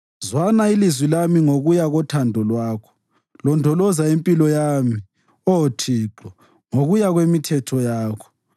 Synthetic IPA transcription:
zwanailizwilamiŋoɣujaɣɔtʰandʱɔlwaːkʰɔ̥ | lɔndʱɔlɔzaempʼilɔjaːmi | ɔtʰiːǃɔ | ŋoɣujaɣwemitʰɛtʰɔjaːkʰɔ̥

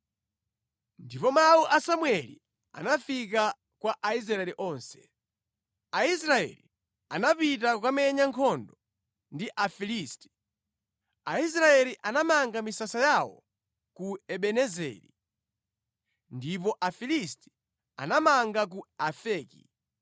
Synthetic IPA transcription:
ndipɔmawuʔasamwɛlḭ | a̰nafik̬a | kwaʔais̬ɾaɛliʔɔːnsɛ̥ | aisɾaɛ̰li | anapit̬akamɛɲaŋkʰɔndɔ | ndiʔafilisti̥ | ais̬ɾaɛliʔanamaŋɡamisasajawɔ̰ | kuɛɓɛnɛzɛ̰ːɾḭ | ndip̬ɔʔafilisti̥ | a̰namaŋɡak̬uafɛːkḭ

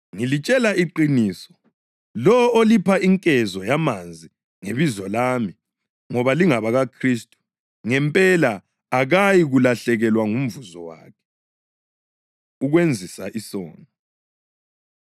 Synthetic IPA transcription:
ŋilit͡ʃʼɛlaiǃiniːsɔ̥ | lɔolipʰaiŋkʼɛzɔjamand͡zʱi | ŋeβizɔlami | ŋɔβaliŋaβaɣakʰristʼu̥ | ŋɛmpʼɛla | aɣajiɣulaɬɛɣɛlwaŋum̩vuzɔwa̰ːkʰɛ̥ | uɣwend͡zʱisaʔisɔ̰ːnɔ

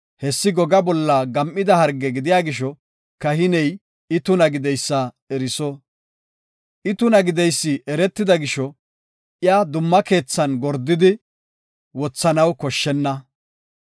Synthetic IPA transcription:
hɛsːɪɡɔɡɐbɔlːɐɡɐmʔːɪd̪ɐhɐɾɡɛɡɪd̪ɪjaːɡɪʃɔ | kɐɦɪnɛj | ɪt̪ʊnɐɡɪd̪ɛjsːɐ | ɛɾɪsɔ | ʔɪt̪ʊnɐɡɪd̪ɛjsːɪʔɛɾɛt̪ːɪd̪ɐɡɪʃɔ | ʔɪjad̪ʊmːɐke̞ːt͡sːɐnɡɔɾd̪ːɪd̪ɪ | wɔt͡sːɐnɐwkɔʃːɛnːɐ

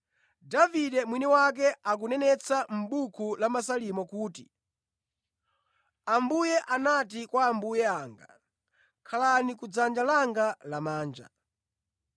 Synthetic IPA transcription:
daviɗɛmwiniwak̬ɛʔak̬unɛnɛt͡sam̩ɓukʰulamasalimɔkuːti | ambujɛʔanatikwaːmbujɛaːŋɡa̰ | kʰalanikud͡zand͡ʒalaŋɡalamaːnd͡ʒa̰

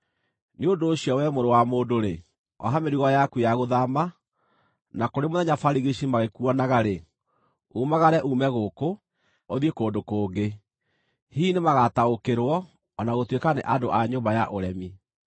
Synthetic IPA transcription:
neondoːɕiɔwɛmoɾowamoːndoɾe | ɔ̰ɦameɾiɣɔjakujaɣoðama | nakoɾemoðɛɲafaɾiɣiʃimaɣekuɔnaɣaɾe | umaɣaɾɛʔuːmɛɣoko | oðiekoːndokoːɡe | hiːnemaɣataokeɾwɔː | naɣotwekanḛʔadoʔaɲoːmbajaʔoɾɛmi

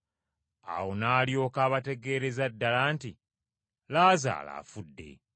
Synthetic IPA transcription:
a̰wo̞naːljo̞ːkaːβate̞ɡe̞ːɾe̞zadːalaːnti | laːza̰ːla̰ːfudːe̞̰

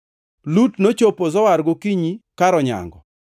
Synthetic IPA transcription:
lutnot͡ʃopozɔwaɾɡokiɲikaɾɔɲa̰ŋɡɔ̰

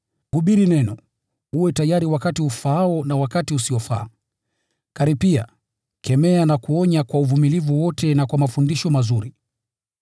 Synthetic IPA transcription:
huɓiɾinɛnɔ | uwɛtajaɾiwakatiufaaɔnawakatiusiɔfa̰ː | kaɾipia̰ | kʰɛmɛanakuɔɲakwauvumilivuwɔtɛnakwamafundiʃɔmazuɾi

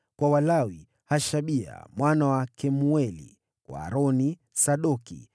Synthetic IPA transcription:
kwawalawi | haʃaɓia̰mwanawakɛmuɛlḭ | kwa̰ːɾɔni | saɗɔkḭ

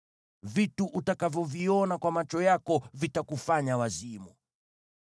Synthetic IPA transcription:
vituʔutakavjɔviɔnakwamat͡ʃɔjakɔvitakufaɲawazimu

